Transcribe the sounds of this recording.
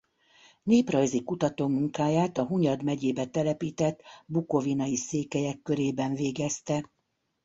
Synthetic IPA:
neːprɒjzikut̪ɒt̪oːmuŋkaːjaːt̪ɒɦuɲɒd̪mɛɟeːbɛt̪ɛlɛpiːt̪ɛt̪ːbukovinɒjiseːkɛjɛkːøɾeːbɛɱveːɡɛst̪ɛ

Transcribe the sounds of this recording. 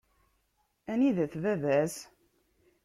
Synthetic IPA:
æniðæθvævæz

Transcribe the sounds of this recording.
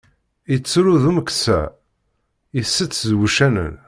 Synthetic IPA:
it͡sːɾuðuməksæ̰ | isːət͡sːzwuʃænə̰n

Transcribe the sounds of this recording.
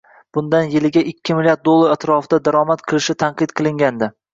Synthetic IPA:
b̥ʊnd̪anjɪlɪɡʲaʔɪkʲʰːɪmɪlʲjaɾt̪d̪̚olˠːaɾat̪ɾɒfɪd̪ad̪aɾɒmat̪qʰɨlˠɪʃɪt̪ʰanqɨt̪qʰɨlˠɪŋɡʲand̪ɪ

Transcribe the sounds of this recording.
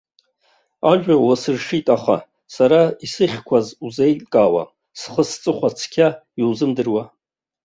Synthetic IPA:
aʒᶣʷawasɨrʂitʼaχa̰ | saɾaisɨχʲkʷʰazuzejtʼkʼaːwa̰ | sχəst͡sʼɨχʷat͡sʰkʲʰa | iwzɨmdɨrwa

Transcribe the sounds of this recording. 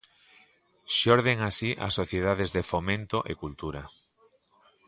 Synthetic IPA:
ʃoɾðeŋasiʔa̰sːoθjeð̞aðezðefomẽnt̪oʔekult̪uɾa

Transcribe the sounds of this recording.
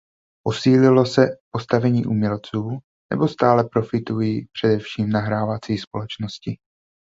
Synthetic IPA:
po̞siːlɪlo̞sɛpst̪avɛɲḭːʔumɲɛlt͡suː | nɛ̰bo̞st̪aːlɛpɾo̞fɪt̪ujiːpr̝̥ɛdɛfʃiːmnaɦɾaːvat͡siːspo̞lɛt͡ʃno̞scɪ

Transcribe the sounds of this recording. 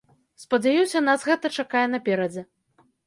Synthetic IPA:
spɐd͡zʲajusʲɐnasɣɛt̪ɐt͡ʂakajɛnɐpʲɛɾɐd͡zʲɛ

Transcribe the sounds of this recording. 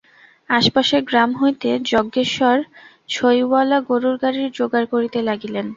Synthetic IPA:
aʃpaʃeɡɾamɦojt̪ed͡ʑɔɡːeʃɔɾ | t͡ɕʰojwalaɡoɾuɾɡaɾiɾd͡ʑoɡaɾkoɾit̪elaɡilen

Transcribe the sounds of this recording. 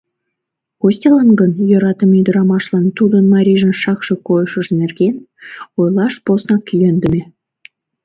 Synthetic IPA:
osʲtʲelˠɑnɡənjoɾɑt̪əmid̪ə̆ɾɑmɑʃlˠɑnt̪ud̪ə̆nmɑɾʲiʒə̆nʃɑkʃɤ̆kojɤʃə̆ʒə̆nerɡʲen | ojlˠɑʃposnɑkʲijend̪ə̆mʲe

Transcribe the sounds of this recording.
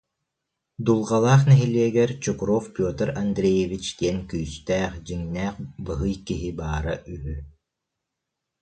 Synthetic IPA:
d̪ulˠʁalˠaːχnɛɦiliɛɡɛɾt͡ɕukɾɔfpʲoːt̪ɛɾand̪ɾejevit͡ʃd̪iɛnkyːst̪æːχd͡ʑiŋnæːχbɯɦɯjkiɦibaːɾaʔyɦy

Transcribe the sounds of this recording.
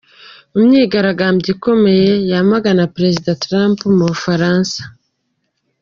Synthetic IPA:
umɲiːɡaɾaɡaːmbjiko̞me̞je̞jamaɡanapɾe̞zidatɾaːmpumuβufaɾaːnsḁ

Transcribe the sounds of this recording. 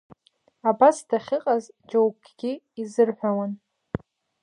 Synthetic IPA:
abasdaχʲɪqʼaz | d͡ʒowkʰ | ɡʲi | izɨrħʷawan

